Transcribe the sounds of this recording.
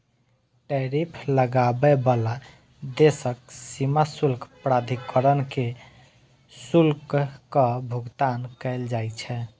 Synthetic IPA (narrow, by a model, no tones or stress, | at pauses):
ʈɛɾipʰləɡabɛbala | d̪esəksimasulkpɾad̪ʱikəɾənke | sulkkəbʱuɡt̪ankəɪld͡ʒajt͡ʃʰɛ